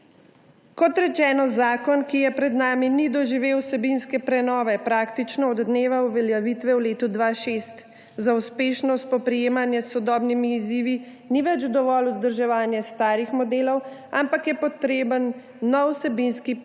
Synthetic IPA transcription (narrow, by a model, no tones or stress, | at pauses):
kɔt̪ɾɛt͡ʃɛːnɔzaːkɔnkijɛpɾɛd̪naːminid̪ɔʒiʋeːwsɛbinskɛpɾɛnɔːʋɛpɾaːkt̪it͡ʃnɔːd̪d̪neːʋauʋɛljaʋit̪ʋɛwleːt̪ud̪ʋaːʃest̪ | zauspeːʃnɔst̪̚pɔpɾijeːmanjɛsɔd̪ɔːbnimiːziːʋi | niʋɛt͡ʃd̪ɔʋɔluzd̪əɾʒɛʋaːnjɛst̪aːɾixmɔd̪eːlɔwampakjɛpɔt̪ɾeːbənː | ɔwsɛbinski